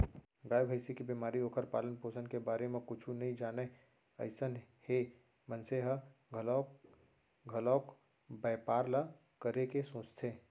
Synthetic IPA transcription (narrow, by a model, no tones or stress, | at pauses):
ɡaːjbʱəɪsikibiːmaːɾioːkʰəɾpaːlənpoːsənkebaːɾemẽkʊt͡ʃʰũnɐɦĩd͡ʒaːne | ɐ̰ɪsənhe | mənseɦəɡʱl | ɡʱɐlɔːk | bɛːpaːɾla | kəɾekesõːt͡ʃt̪ʰeː